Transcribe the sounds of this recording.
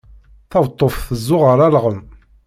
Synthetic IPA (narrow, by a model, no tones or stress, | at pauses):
θɑvt̪ˤːofθəzːʊʁəɾˤælʁəm